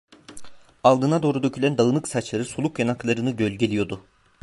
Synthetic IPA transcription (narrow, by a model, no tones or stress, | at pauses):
alˠd̪ɯnad̪o̞ːɾud̪ø̞cʰylʲænd̪aɯnˠɯksat͡ʃlˠaɾɯsolˠukjanaklˠaɾɯnɯɟølʲɟelʲijo̞d̪ʊ